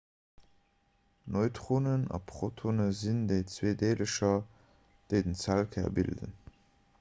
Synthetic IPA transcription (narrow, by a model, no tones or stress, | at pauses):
noɪtʁonənɑ̰pʰχotʰonəzindeɪt͡sweːdeːləʃɐ | d̥əɪdənt͡sælkʰɛ̰ɐ̰bḭldə̰n